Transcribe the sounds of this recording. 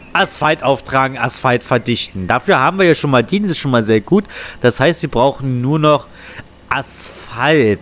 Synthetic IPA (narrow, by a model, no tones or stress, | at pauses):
ʔasfaltʔaʊftʁ̥aːɡŋ̩ʔa̰sfaltfɛɐdɪçtn̩d̥aːfyːɐɦaːbm̩viɐjaːʃoːnmaːldiːnɪʃoːnmaːlzeːɐɡuːtd̥ashaɪstz̥iːbʁaʊxn̩nuːɐnɔχ | ʔasfalt